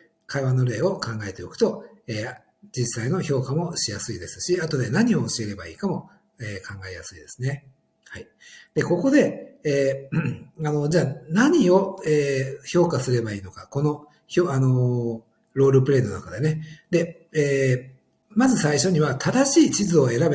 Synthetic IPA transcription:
kaiβanːo̞ɾe̞ːo̞kãŋɡae̞t̪e̞o̞kɯ̟̥t̪oeː | d͡ʑisaino̞ço̞ːkamo̞ɕijasɨid̪e̞sɨ̥ɕiat̪o̞d̪e̞naɲ̟io̞ːɕie̞ɾe̞baiːkamo̞ | eːkʰãŋɡae̞jasɨid̪e̞sɨne̞ | hai | d̪̥e̞ko̞ko̞d̪e̞eː | ano̞d͡ʑaːnaɲ̟io̞eːço̞ːkasɨɾe̞baiːno̞kako̞no̞ | çoːʔano̞ | ɾo̞ːɾɯ̟pɯ̟ɾe̞nona̰kad̪e̞ne̞d̪̥e̞ | eː | mazɨsaiɕo̞ɲ̟iβat̪ʰad̪aɕiːt͡ɕizɨo̞e̞ɾabe

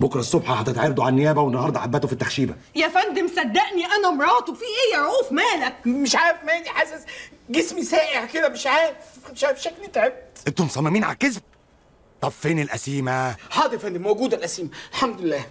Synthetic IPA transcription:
bokɾˤsˤːobħɑhæt̪et̪ʕɑɾɑd̪uʕalnːejæːbæwenːɑhɑɾˤd̪ˤɑʕabːæt̪ofit̪ːaxʃiːbæ̰ | jæfænd̪emsæd̪ːæʔniʔænæmɾˤɑːt̪ˤufiːʔejːæʕuːfmæːlæk̚meʃʕaːɾefmæed̪iħasæsɡesmisæːʔeʕked̪æmeʃʕaːɾfeʃʕaːɾfʃæklet̪ʕeb̚t̪ent̪omsˤɑmːɑmiːnʕa̰kesb̚ | t̪ˤɑbfeːnilʔæsiːmæħɑːd̪elfænd̪emoɡuːd̪ælʔæsiːmælħamd̪elːæː

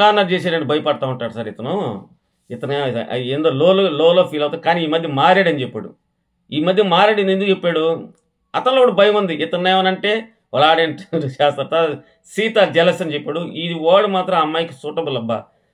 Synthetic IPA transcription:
aːnːaɾd͡ʒɛːsaːɽɐɳʈibʱɐjɐpɐɽɐt̪aːuɳʈːaːɽusɐɾet̪ɐnoː | ɪt̪ɐnḛend̪oːloːloloːloːpʰiːlɐwt̪ad̪ikaːniiːmɐd̪ʱjɐmaːɾaːɽɐnt͡ʃepːa̰ːɽṵ | iːmɐd̪ʱjɐmaːɾaːɽind̪iend̪ukt͡ʃepːaːɽu | ɐt̪ɐnloːɽɐbʱɐjɐmund̪iʔɪt̪ɐnːɛːʋɐnɐɳʈe̞ː | ɐɭaːɖeɳʈt͡ʃaːst̪ɐɾt̪a | siːt̪ad͡ʒɛlɐsɐnt͡ʃɛpːaːɽuiʋaːɽumaːt̪ɾɐmɐmːaːjkisuːʈɐbulɐbːɐ̰

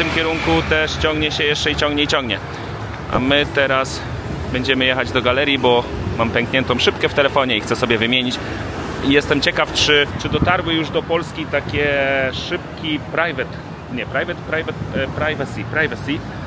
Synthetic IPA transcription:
ft̪ɘmkʲɛɾuŋkut̪ɛʂt͡ɕɔ̃ŋɡɲɛɕɛjɛʂt͡ʂɛit͡ɕɔ̃ŋɡɲɛit͡ɕɔ̃ŋɡɲɛ | ʔa̰mɘt̪ɛɾas | bɛɲd͡ʑɛmɘjɛxad͡ʑd̪ɔɡalɛɾʲjibɔ | mampʲɛŋkɲɛnt̪ɔ̃w̃ʂɘpkɛft̪ɛlɛfɔɲɛixt̪sɛsɔbʲjɛvɘmʲjeɲit͡ɕ | ijɛst̪ɛmt͡ɕɛkaft͡ʂɘt͡ʂɘd̪ɔt̪aɾwɘjuʐd̪ɔpɔlskʲit̪akʲɛʂɘpkʲipɾajvɛt̪ | ɲɛpɾajvɛt̪pɾajvɛt̪pɾajvasʲipɾajvasi

